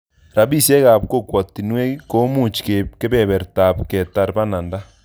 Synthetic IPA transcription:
ɾa˨βi˦sje˦ɣa˨pko˦˨kwɔ˨ti˨nwe˦ko˦mu˦˨t͡ʃi̥˨ke˨ke˦βɛ˦˨βɛ˨ɾta˨pkɛ˨ta˨ɾba˦na˨nda˦

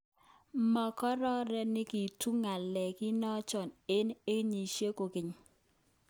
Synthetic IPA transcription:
mɔ˨kɔ˦ɾɔ˦ɾɛ˦nɪ˦ki˨tʰu˦ŋa˨lɛ˨kɪ˦nɔ˦t͡ʃɔ˨ne˦ne˦ɲi˨ʃje˦ko˨kɪ˨ɲ˨

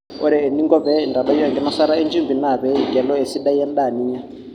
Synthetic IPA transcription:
ɔ˦ɾɛː˨ni˦ŋɡɔ˦βɛ˦˨nda˨ɗɔ˦jɔ˦˨ŋɡɛ˨na˦sa˦ɾa˦i˦nd͡ʒi˦mbi˨na˨βɛ˦i˨ɡɛ˨lɔ˦e˨si˦ɗa˦jɛ˦nɗa˨ni˦ja˦

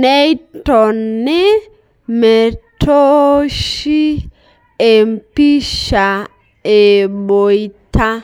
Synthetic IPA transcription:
nɛ˦i˦tɔ˨nne˦ | me˨tʰo˦ʃi˦ | e˨m˨pi˦ʃa˨ | e˨ɓo˨i˦ta˦

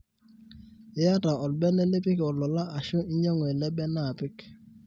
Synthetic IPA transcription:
ɪ˦ja˦ta˨ɔ˨l̚bɛ˦nɛ˦lɪ˦pɪ˦kɔ˨lɔ˨la˦ʔa˨ʃʊ˦ɪ˦ɲɔ˦ŋ˨ɛ˨lɛ˦bɛ˦na˦˨pɪ˦k

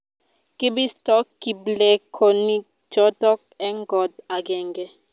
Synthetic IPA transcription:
ki˦bi˦stɔ˦kːi˨blɛ˨kʰo˨ni˦ | d͡ʒɔ˦tɔ˦k̚ɛ˦ŋɡɔ˨da˨ɡɛ˨ŋɡɛ˦

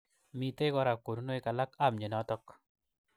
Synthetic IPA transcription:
mi˦te˦ɡɔ˦ɾa˨ko˨nu˦no˦ɪ˦˨ka˨la˦ka˦˨mɲe˨nɔ˦tɔ˦k

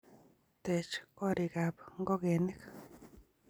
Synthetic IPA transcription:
t̪e˨t͡ʃo˦ɾi˨ɡa˨pŋɡo˦ɣe˨ni˦k

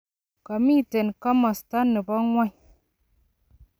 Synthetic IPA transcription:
ka˨mi˦˨te˨nka˦ma˨sta˦nːɨ˨ba˦ŋwʷa˦j

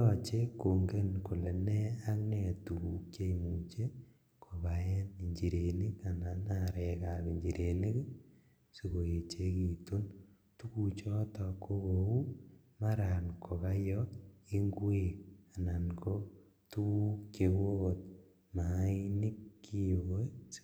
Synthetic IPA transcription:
ɔ˨t͡ʃe˦ko˨ŋɡe˦nku˨le˨nɛ˦a˦knɛ˨tu˨ku˦kt͡ʃe˦˨mu˨t͡ʃe˦ | kʰo˨βa˨jɛ˦ni˨ɲd͡ʒi˨ɾe˨ni˦ka˨na˨na˨ɾɛ˨ka˨ki˨ɲd͡ʒi˨ɾʔe˨ni˦k | su˨ko˨e˨t͡ʃe˦ki˨tu˦n | tu˦ku˨t͡ʃɔ˦tɔ˨ko˦ko˨u˦ | ma˦ɾa˨nkʰo˨ka˦jɔ˦i˦ŋɡwe˨k̚a˨na˨nko˦ | tu˦ku˦kt͡ʃe˨wo˦o˨t̚ | ma˨˦i˦ni˦kːi˦˨wo˦

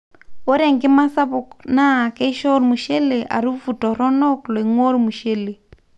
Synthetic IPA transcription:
o˦ɾɛ˨ŋkɪ˦ma˦sa˦βʊ˨kna˦˨kɛ˦ʃɔ˦ɾmu˨ʃe˦le˨ʔa̰˨ɾu˦fu˨tɔ˨ɾɔ˦nɔ˦kle˨ŋwɔ˦ɾmu˨ʃe˦le˨

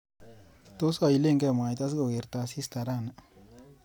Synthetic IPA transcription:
t̪o˦sa˨i˨le˦˨ŋkɛ˦˨ma˨jt̪a˦s̬ɡo˨ɡe˨ɾt̪a˨si˦st̪a˨ɾa˦na

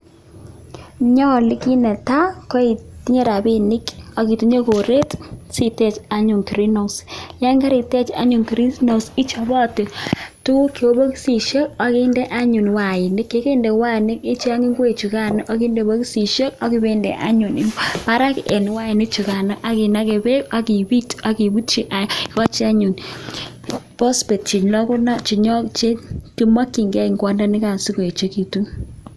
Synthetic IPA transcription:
ɲɔ˦˨li˦ki˦nɛ˨ta˦kɔ˦i˨ti˦ɲe˦ɾa˨be˦ni˦kɔ˦ki˨ti˦ɲe˦ko˨ɾe˦tsi˦tɛ˦t͡ʃa˦ɲu˨ŋki˨ɾi˦na˨sja˦ŋɡa˦ɾi˨tɛ˦t͡ʃa̰˦ɲu˨ŋki˨ɾi˦na˨si˦t͡ʃɔ˨bɔ˦˨ti˨tu˦ki˨o˦bo˦ksi˨ʃe˦k̚ɔ˨ki˦nde˦ʔa˦ɲu˨nwa˨ɪ˨nɪ˦kːe˨˦ke˦nde˨wa˦˨nɪ˦ke˦t͡ʃa˦ŋi˦ŋɡwe˨t͡ʃu˨ka˦nɔ˦ʔa˦ki˦nde˨bo˦ki˦si˨ʃe˦ka˦ki˦be˦ndḛ˨ʔa̰˦ɲu˨ni˦pa˦ɾa˦kʔe˨n˨wa˦i˨nɪ˦t͡ʃu˨ka˨nɔ˦ʔa˨ki˨na˦ke˨be˦ka˨ki˨bi˦ta˦ki˨bu˦t͡ʃi˦ʔa˦˨kɔ˦t͡ʃi˦a˦ɲu˨n | pɔ˦spe˨t̚t͡ʃi˨ɲlɔ˦ku˦nɔ˦t͡ʃi˨ɲɔ˦t͡ʃe˦ki˦ma˦kːi˨ŋɡɛ˦i˨ŋɡwɔ˦nda˦ni˦ka˨nsi˦ko˨e˨t͡ʃe˦ki˨tu˦

